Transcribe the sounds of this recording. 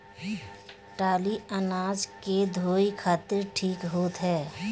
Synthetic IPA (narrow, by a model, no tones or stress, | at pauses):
ʈaːliənaːd͡ʒked̪ʱoːikʰaːt̪ɪɾʈʰiːkɦoːt̪ɦɛː